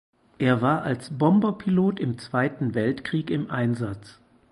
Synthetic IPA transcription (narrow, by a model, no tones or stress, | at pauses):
ʔeːɐvaːɐʔalsb̥ɔmbɐpʰiloːtɪmt͡sv̥aɪtn̩vɛltkʁ̥iːkɪmʔaɪnzat͡s